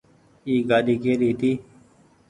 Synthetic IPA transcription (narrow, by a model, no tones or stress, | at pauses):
iːɡaːɗ̪iːkeːɾiːt̪iː